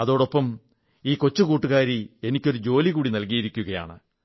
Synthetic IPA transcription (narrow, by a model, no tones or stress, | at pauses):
ɐðo̞ːɽopːɐm | iːko̞t͡ɕːukuːʈːuɣaːɾie̞nikʲːo̞ɾud͡ʑo̞ːliɣuːɽinɐlkijiɾikʲːuɣɐja̰ːɳɨ